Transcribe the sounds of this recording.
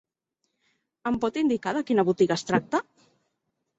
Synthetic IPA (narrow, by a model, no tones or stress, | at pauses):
əmpɔt̪ind̪ikaðəkinəβut̪iɣəst̪ɾak̚t̪ə